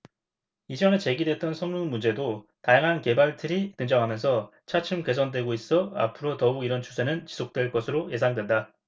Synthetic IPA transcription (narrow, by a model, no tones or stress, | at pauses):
id͡ʑʌnet͡ɕe̞ɡidwe̞t̚t͈ʌnsʰʌŋmuŋmund͡ʑe̞dotajaŋɦanke̞baɭtʰɯɾitɯŋd͡ʑʌŋɦamjʌnsʰʌ | t͡ɕʰat͡ɕʰɯmke̞sʰʌndwe̞ɡois͈ʌa̰pʰɯɾotʌuiɾʌnt͡ɕʰusʰe̞nɯnt͡ɕi̥sʰok̚t͈we̞ɭk͈ʌsʰɯɾoje̞s̬ʰaŋdwe̞nda